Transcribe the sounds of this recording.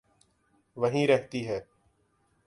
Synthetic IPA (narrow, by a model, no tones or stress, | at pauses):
ʋəɦĩːɾɛɦt̪iːɦɛː